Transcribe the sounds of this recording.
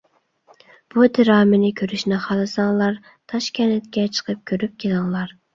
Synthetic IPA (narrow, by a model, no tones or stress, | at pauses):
b̥ud̪ɪɾɑːmɪnɪkʲʰøɾyʃnɛχɑlˠɨsɑŋlˠɑɾ | t̪ʰɑʃkʲʰɛnɛt̪̚kʲɛt͡ʃʰə̥qʰəp̚kʲʰøɾyp̚kʲʰelɪŋlˠɑɾ